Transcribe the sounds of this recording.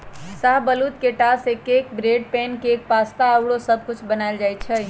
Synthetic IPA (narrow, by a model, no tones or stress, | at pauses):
saɦbəlut̪keʈasekekbɾeɖ̚pɛnkek̚past̪aəwɽosəb̚ʱkut͡ʃʰbənaɪld͡ʒajt͡ʃʰə